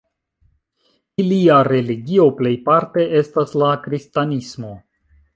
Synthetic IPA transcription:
iliaɾe̞liɡio̞ple̞jpaɾte̞ʔe̞staslakɾistanismo̞

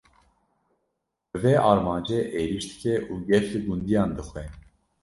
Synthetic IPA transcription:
bɨvɛʔɑːɾmɑːnd͡ʒɛʔeːɾiʃd̪ɨ̥kʰɛʔuːɡɛɾlɨɡund̪ijɑːnd̪ɨxwɛ

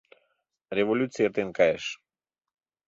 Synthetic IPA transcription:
ɾʲevolʲut̪sɨjat̪ɨnkaeʂ

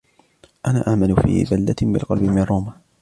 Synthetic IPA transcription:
ʔanaːʔaʕmanʊfḭːbald̪abɪ̰lqɑlbɪmɪnrˤːoːmaː

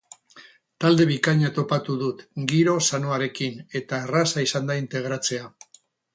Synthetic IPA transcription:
t̪ald̪e̞β̞ikaɲat̪o̞pat̪uðut̪ɡiɾo̞sanoaɾe̞kine̞t̪aːrasaisand̪aint̪e̞ɣ̞ɾat͡se̞a

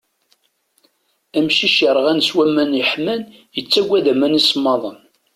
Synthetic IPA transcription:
æmʃiʃjəɾˤʁænswæmːænjəħmænjət͡sːæɡʷːæðæmænismːɑðˤən

